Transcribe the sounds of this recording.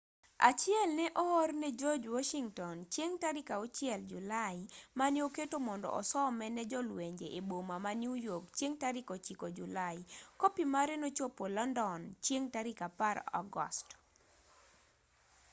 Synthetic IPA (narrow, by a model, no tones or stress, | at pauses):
a̰t͡ʃɪɛlnɛʔɔɔrnɛd͡ʒod͡ʒwɔʃiŋtɔnt͡ʃjeŋtaɾɪkaot͡ʃjɛld͡ʒulaɪmanjoketomɔndɔ̰ʔɔ̰sɔmɛnɛd͡ʒɔlweɲd͡ʒeʔebomamanjujokt͡ʃjeŋtaɾɪkot͡ʃikod͡ʒulaɪkopimaɾɛnot͡ʃopolɔndɔnt͡ʃjeŋtaɾɪkapaɾɔ̰ɡɔ̰st